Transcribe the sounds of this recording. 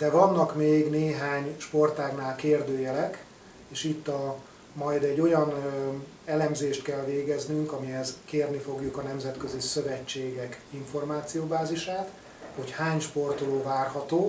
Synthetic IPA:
d̪̥ɛvɒnːɒkmeːɡneːɦaːɲʃpo̞rt̪aːɡnaːlkeːrd̪øːjɛlɛk | eːʃit̪ːɒ | mɒjd̪ɛɟːo̞jɒn | ɛlɛmzeːʃt̪kɛlveːɡɛznyŋkɒmiɦɛzkeːrnifo̞ɡjukɒnɛmzɛt̪køzisø̞vɛt͡ʃːeːɡɛkiɱfo̞rmaːt̪sijoːbaːziʃaːt̪ | ho̞chaːɲʃpo̞rt̪oloːvaːrɦɒt̪oː

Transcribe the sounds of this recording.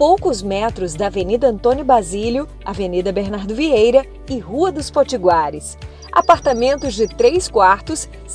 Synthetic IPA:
powkʊzmɛt̪ɾʊzd̪ɐːvenid̪ɐɐ̃nt̪õnjʊbɾazilʊ | avenid̪ɐbeɾnaɾd̪ʊviejɾɐ | ɪɦuɐd̪ʊspoɾt͡ʃiɡwaɾɪs | a̰paɾt̪amẽnt̪ʊzd͡ʒɪt̪ɾejskwaɾt̪ʊs

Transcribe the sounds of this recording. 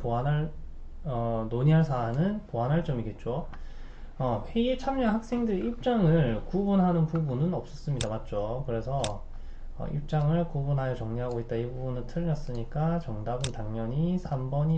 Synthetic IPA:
poɦanɦaɭ | ʌnoɲiɦaɭsʰaːnɯnpoɦanɦaɭt͡ɕ͈ʌmiɡe̞t̚t͡ɕ͈o | ʌɸe̞iet͡ɕʰamɲʌɦak̚s͈e̞ŋdɯɾeiɭp̚t͡ɕ͈aŋɯɭkubunɦanɯnpubunɯnʌp̚s͈ʌs͈ɯmɲidamat̚t͡ɕ͈okɯɾe̞sʰʌ | ʌ̰ʔḭɭp̚t͡ɕ͈aŋɯɭkubunɦajʌt͡ɕʌŋɲiɦaɡoit̚t͈aibubunɯntʰɯɾɯɲʌs͈ɯɲik͈at͡ɕʌŋdabɯntaŋɲʌɲisʰambʌɲi

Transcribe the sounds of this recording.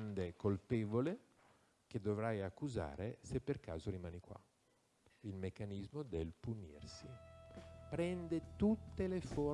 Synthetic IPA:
nd̪ekolpeːvole | k̟ed̪ːovɾajakːuza̰ːɾesepːerka̰ːzoɾimaːnikwa̰ | ilmekːanizmod̪elpunḭrsi | pɾɛnd̪et̪ut̪ːelefo

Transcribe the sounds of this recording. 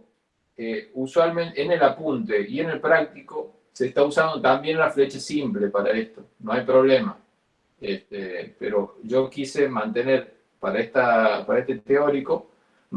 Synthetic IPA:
euswalmẽnenelapunt̪e̞iene̞lpɾak̚t̪iko̞ | seːst̪ausand̪ot̪ambje̞nnafle̞t͡ʃasimple̞paɾaest̪o̞noajpɾo̞βle̞ma | est̪epeɾo̞ʒo̞kise̞mãnt̪e̞ne̞ɾ | paɾaest̪apaɾaest̪et̪eo̞ɾiko̞ | n

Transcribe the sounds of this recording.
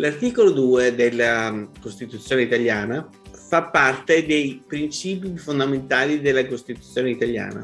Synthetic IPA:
lart̪iːkolod̪uːed̪elːakost̪it̪ut̪sːjoːneit̪aljaːna | fapːart̪ed̪ejpɾint͡ʃiːpifond̪ament̪aːlid̪elːakost̪it̪ut̪sːjoːneit̪alja̰ːna̰

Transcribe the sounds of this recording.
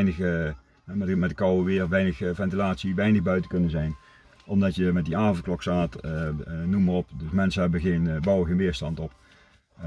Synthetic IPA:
nə | mɛmɛt̚dəkɑwəʋɪːrʋɛjnəxvɛntilaːtsiʋɛjnəɣbœɥtəkɵnənzɛjn | ʔɔmdɑtjəmɛt̚diaːvənklɔksaːt | numərɔpdəsmɛnsənɦɛbəɣeːnbɑwəɣenʋɪːɹstɑntɔp

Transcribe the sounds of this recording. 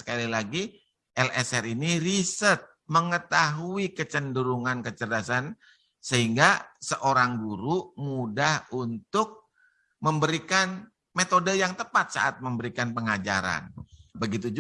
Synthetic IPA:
sə̥kalilaɡi | ʔɛlɛsɛɾiniɾisərt̪̚məŋət̪aɦuikət͡ʃənduɾuŋankət͡ʃədasan | səɦiŋɡasəʔoɾaŋɡuɾumudahunt̪ʊk̚ | məmbəɾikan | met̪odəjaŋt̪əpat̪̚sa̰ʔat̪̚məmbəɾikanpəŋad͡ʒa̰ɾa̰nbəɡit̪̬ud͡ʒ

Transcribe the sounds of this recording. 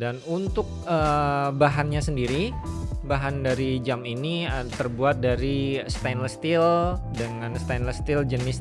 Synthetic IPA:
danunt̪ʊk̚əbaɦanɲasəndiɾibaɦandaɾid͡ʒaminiət̪ərbuat̪̚daɾist̪ajnləst̪ɪldəŋanst̪ajnləst̪ɪld͡ʒənɪs

